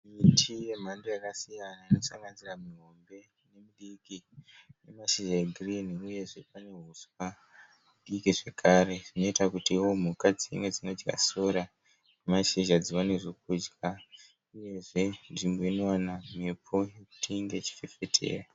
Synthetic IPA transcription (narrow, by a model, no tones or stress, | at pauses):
mitʰije̞m̤andojakasijanaino̞saŋɡanziramiɦo̞mbe̞ | ne̞miɗikine̞maʃiʒaɡʱriniuje̞ʐe̞pane̞ɦuswa | muɗikiʐe̞kʰaːɾe̞ʐino̞itakutiwo̞m̤ukad͡ziḭŋwe̞d͡zino̞d͡ʒɡa̰so̞ɾa | nemaʃiʒad͡ziwaneʐokud͡ʒɡa | uje̞ʐe̞nʐimbo̞ino̞wanamepʰo̞jeku̥tʰiŋɡe̞t͡ʃi̥fefe̞tʰḛːra